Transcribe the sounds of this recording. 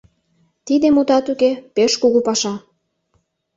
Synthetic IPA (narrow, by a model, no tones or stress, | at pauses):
t̪id̪emut̪ɑt̪ukepeʃkuɣupɑʃɑ